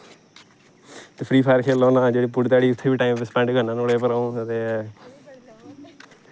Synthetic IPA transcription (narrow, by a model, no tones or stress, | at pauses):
t̪eːpʰɾiːpʰaːɾkʰeːloːnãːd͡ʒeːɽiːpʊɽt̪aːɽiːʊt̪ʰːeːʋiːʈaːiːmɪspɛ̃ɳɖɡənãːnʊɽeːpəɾaːũːt̪eː